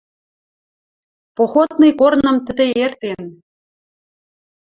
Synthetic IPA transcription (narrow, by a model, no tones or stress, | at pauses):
poxot̪nɤ̆jkornɤ̆mt̪ɘ̆d̪ĕert̪en